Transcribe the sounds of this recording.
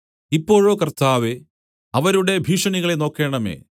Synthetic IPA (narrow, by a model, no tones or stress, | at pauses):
ipːo̞ːɻo̞ːkɐrt̪aːʋe | ɐʋɐɾuɽe̞bʱiːʂɐɳiɣɐɭeno̞ːkːe̞ːɳɐme̞̰ː